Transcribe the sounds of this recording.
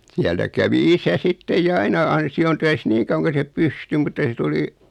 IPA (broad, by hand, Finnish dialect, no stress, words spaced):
siæltæ kæʋi isæ sitːej jɑ ɑinɑ ɑnsiontøis niː kɑuwɑŋ ko se pysty mutːɑ se tuli